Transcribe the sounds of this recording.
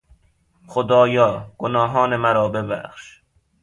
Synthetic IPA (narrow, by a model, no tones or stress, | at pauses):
xod̪ɒːjɒːɡ̥onɒːɦɒːnemæɾɒːbe̞bæ̰xʃ